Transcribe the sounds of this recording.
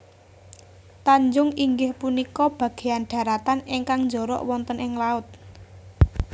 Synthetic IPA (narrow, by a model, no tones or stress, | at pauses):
t̪aɲd͡ʒʊŋiŋɡɪhpunikɔb̥ä̤ɡ̥e̤anɖ̥ä̤ɾat̪anɪŋkaŋɲd͡ʒɔ̤ɾɔ̰ʔwɔnt̪ənʔɪŋlaʊt̪̚